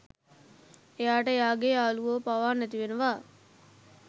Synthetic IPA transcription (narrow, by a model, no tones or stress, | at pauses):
ejaːʈəejaːɡeaːluʋoːpaʋaːnːæt̪iʋenəʋaː